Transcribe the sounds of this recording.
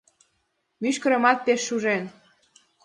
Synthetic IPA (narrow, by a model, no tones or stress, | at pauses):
myʃkə̆ɾə̆mɑt̪̚peʃːuʒen